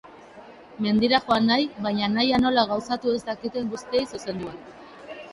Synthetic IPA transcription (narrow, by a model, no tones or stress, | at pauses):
me̞nd̪iɾaxo̞anːajβajɲanajano̞laɣawsat̪ue̞st̪akit̪e̞ŋɡust̪ie̞jsuse̞nd̪uan